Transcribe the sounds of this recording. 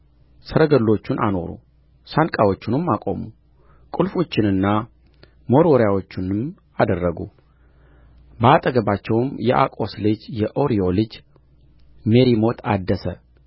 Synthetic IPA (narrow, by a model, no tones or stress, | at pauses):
səɾəɡəlːo̞t͡ʃːunʔano̞ɾṵ | sankʼawo̞t͡ʃːɪnɨmːakʼo̞̰mu | kʼulfo̞t͡ʃːɪnɨnːa | mo̞ɾoɾjawo̞t͡ʃːɪnɨm | ad̪ərːəɡṵ | bəat̪ʼəɡəbat͡ʃːɛwmjɛʔa̰kʼo̞slɨd͡ʒjɛʔo̞ɾio̞lɨd͡ʒ | meɾimo̞t̪ʰa̰d̪ːəsə